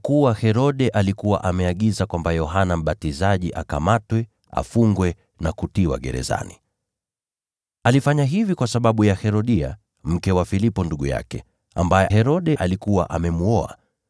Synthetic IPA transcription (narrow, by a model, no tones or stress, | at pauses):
kuwahɛɾɔɗɛʔalikuwa̰ʔamɛaɠizakwambajɔɦanam̩ɓatizaʄiʔa̰kamatwɛ | a̰fuŋɡwɛ | nakutiwa̰ɠɛ̰ɾɛ̰za̰ni | alifaɲaɦivikwasaɓaɓujahɛɾɔɗia̰ | m̩kɛwafilipɔnduɠuja̰kɛ | a̰mbajɛhɛɾɔɗɛʔalikuwa̰ʔamɛmuɔa̰